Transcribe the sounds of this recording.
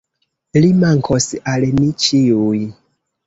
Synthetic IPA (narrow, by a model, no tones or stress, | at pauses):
limaŋkʰosalmit͡ʃiuj